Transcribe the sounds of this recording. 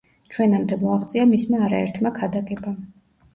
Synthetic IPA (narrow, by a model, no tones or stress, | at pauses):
t͡ʃʰwɛnamd̪ɛmɔaχt̪sʼiamismaːɾa̰ɛ̰ɾt̪ʰmakʰad̪akʼɛba